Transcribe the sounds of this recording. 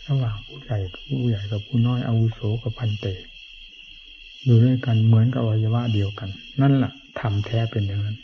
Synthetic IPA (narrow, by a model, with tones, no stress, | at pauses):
ɾa˧waː˨˩ŋpʰuː˧˥˨ja˨˩jpʰuː˧˨ja˨˩jka˧˩pʰuː˧˨nɔː˥˨jʔa̰˧wu˦˧˥soː˨˦ka˧˩pʰa˧˩nt̪e˨˧˩ | juː˨˩lɯ˧˩ə˨jka˧˨nmɯ˩˦ə˦nka˧˩baː˧˩ja˧wa˧˥ʔdi˨˧əwka˨nːa˧˥˨nla˨˩ʔt̪ʰa˧mt̪ʰɛː˦˥˩pe˨˧nja˨ŋːa˧˥˨n